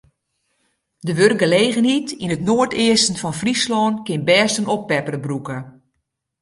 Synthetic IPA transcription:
dəʋørk̚ɡəleːɣənɦitinətnoːərtɪəstən̩fɔnfrislɔːnkɪnbɛːstənoppɛpərəbrukə

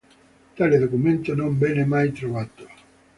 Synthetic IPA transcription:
t̪aleðokumẽnt̪onõmbɛnemajt̪ɾoβat̪o̥

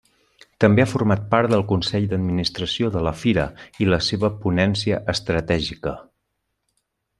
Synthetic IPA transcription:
t̪əmbeafurmat̪̚paɾt̪d̪əlˠkunsɛʎd̪əd̪minist̪ɾəsioðələfiɾəiləseβəpunɛnsiəʔəst̪ɾət̪ɛʒikə

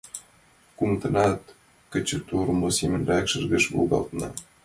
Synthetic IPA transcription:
kumt̪ɤ̆nɑt̪ | kə̆t͡ɕə̆t̪uɾmosemɘ̆nrækʃə̆rɣə̆ʃβo̰lɣɑ̰lˠt̪nɑ

